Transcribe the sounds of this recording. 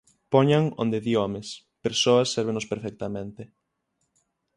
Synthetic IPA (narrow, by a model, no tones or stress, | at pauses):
pɔɲaŋo̰nd̪eðiɔmes | peɾsoɐsːɛɾβ̞enospeɾfɛk̚t̪amẽnt̪e